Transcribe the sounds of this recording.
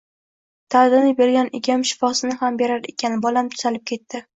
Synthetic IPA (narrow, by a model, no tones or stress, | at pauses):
t̪ʰad̪ɪnɪbe̞ɾɡʲanʔɪ̰ɡʲamʃɪ̥fɒsɪnɪhambe̞ɾaɾe̞̰kʲʰanbɒlamt̪ʰʊ̥z̥alɪp̚kʲʰe̞t̪ːɪ